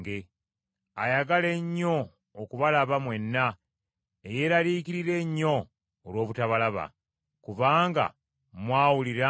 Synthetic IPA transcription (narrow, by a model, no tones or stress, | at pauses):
ɡe | ajaɡale̞ɲːo̞ː | kuβalaβamwe̞nːa | eje̞ːɾaɾiːkiɾiɾe̞ɲːo̞ː | lwo̞ːβutaβalaβa̰ | kuβaːŋɡa̰ | mwaːwuliɾa